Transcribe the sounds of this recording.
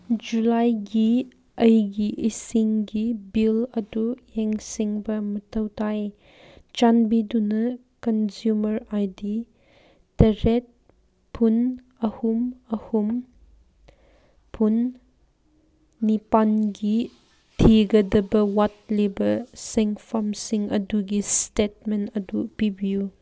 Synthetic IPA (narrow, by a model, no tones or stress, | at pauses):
d͡ʒulajɡi | əjɡiʔisiŋɡibilɐdueŋsiŋbɐmɐtʰɐwtʰaj | t͡ʃanbidunɐ | kɐnzjumɐɾajdi | tɐɾet̚ | pʰun | ɐhumɐhum | pʰun | ipanɡi | tʰiɡɐdɐbɐwat̚libɐseŋfʰamsiŋɐduɡistet̚menɐdupibiju